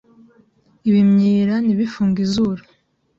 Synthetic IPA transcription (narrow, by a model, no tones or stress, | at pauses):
iβimɲiːɾaniβifuːŋɡizuɾḁ